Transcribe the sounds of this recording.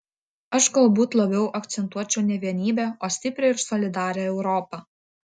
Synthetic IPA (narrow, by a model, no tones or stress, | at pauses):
ɐʃɡɐlˠbuːt̪lˠɐbʲɛʊʔɐkt̪sʲɛnt̪uɔt͡ʃʲɛʊnʲɛʋʲiɛnʲiːbʲæːoːsʲt̪ʲɪpʲɾʲɛɪɾsɔlʲɪd̪ɑːɾʲɛɛʊɾɔːpɑː